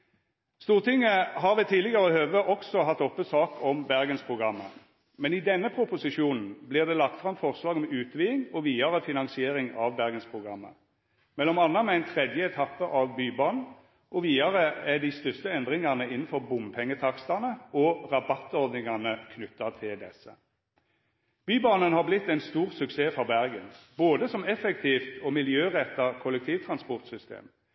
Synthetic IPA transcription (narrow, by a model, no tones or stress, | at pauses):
st̪uːʁt̪ʰɪŋːəɦɑɾʋɛt̪ʰiːlɪɡəɾəhøːʋəʔɔksɔɦɑt̪ːɔpːəsɑːkʰɔmbæʁɡənspʰʁʊɡʁɑmːə | mɛnɪd̪ɛnːəpʰɾʊpʊsɪʂuːnn̩blɪʁd̪ɛːlɑk̚t̪fʁɑmfɔʁslɑːɡɔmʉːt̪ʰʋiːɪŋɔʋiːɑʁəfɪnɑŋsɪeːɾɪŋɑʋbæʁɡənspʰʁʊɡʁɑmːə̰ | mɛlːɔmɑnːɑmɛæɪnt̪ʰʁɛd̪jəɛt̪ʰɑpːəʔɑʋbyːbɑn̩ | ʔɔʋiːɑʁəɛd̪ɪst̪œst̪əɛnd̪ʁɪŋɑnəɪnn̩fɔʁbʊmpʰɛŋːət̪ʰɑkst̪ɑnəɔʁɑbɑt̪ːɔʁd̪nɪŋɑnəkʰnʉt̪ːɑt̪ʰɪld̪ɛsːə̰ | b̥yːbɑːnənhɑʁblɪt̪ːæɪnst̪uːʁsʉkseːfɔʁbæʁɡənboːd̪əsɔmɛfɛk̚t̪ʰiːft̪ʰɔmɪljøːʁɛt̪ːɑkʰɔlɛk̚t̪ʰiːʋt̪ʰʁɑnspɔʁt̪sʏst̪ḛːm